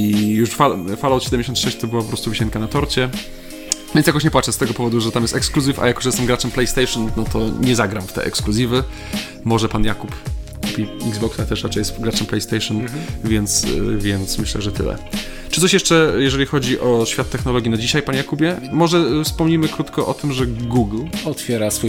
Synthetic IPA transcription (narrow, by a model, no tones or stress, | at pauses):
ijuʂfafalaɔt̪ɕɛd̪ɛmʲd͡ʑeɕ̬ɔ̃nt̪ʂɛɕt͡ɕt̪ɔbɨwapɔpɾɔst̪uvɘɕɛŋkanat̪ɔɾt͡ɕɛ | vʲjɛnsjak̬ɔɕt͡ɕɲɛpwat͡ʂɛst̪ɛɡɔpɔvɔd̪uʐɛt̪amjɛst̪ɛkskluzʲifa̰jakɔ̥ʐɛɛst̪ɛmɡɾat͡ʂɛmplɛjst̪ɛjʂɔnnɔt̪ɔɲɛzaɡɾamft̪ɛ̰ʔɛ̰kskluzʲivɘ | mɔʐɛpanjakupkupʲiḭɡzbɔksɛt̪ɛʂɾat͡ʂɛjɛst̪ɡɾat͡ʂɛmplɛjst̪ɛjʂɔnvʲjɛnt̪svʲjɛnt̪smɘɕlɛ̰ʐɛt̪ɘ̰lɛ̰ | t͡ʂɨ̥t̪ɔɕ̬jɛʂt͡ʂɛjɛʐɛlʲixɔd͡ʑiʔɔɕfʲat̪ːɛxnɔlɔɡʲinad͡ʑiɕajpanjakubʲjɛmɔʐɛfspɔmɲimɘkɾut̪kɔʔɔt̪ɘmʐɛɡuɡlɔt̪fʲjɛɾasfuj